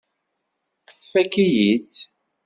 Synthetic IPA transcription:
θfækijit͡s

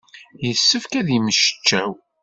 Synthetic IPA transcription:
jəsːəfkæðiməʃə̥t͡ʃːæw

